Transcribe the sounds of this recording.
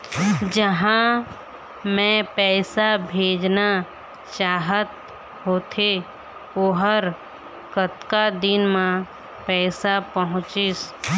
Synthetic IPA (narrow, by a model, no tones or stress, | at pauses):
d͡ʒəɦã | mɛ̃pɛːsabʱeːd͡ʒna | t͡ʃaːɦət̪̚ | ɦoːt̪ʰe | oɦəɾ | kət̪kad̪ɪnmã | pɛːsapəɦʊ̃t͡ʃɪs